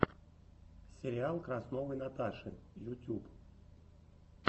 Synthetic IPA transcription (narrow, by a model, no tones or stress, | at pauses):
sʲɪɾʲɪalˠkɾasnovɨjnat̪aʂɨ̰jʊtʲup